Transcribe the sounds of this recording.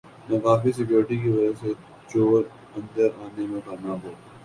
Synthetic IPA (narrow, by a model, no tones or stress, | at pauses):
nɐkaːfis̬ɪkjoːɾʈikiʋɐd͡ʒase | t͡ʃoːʋəɾ | ɐ̃nd̪əɾaːnemẽkɐnaːɦoː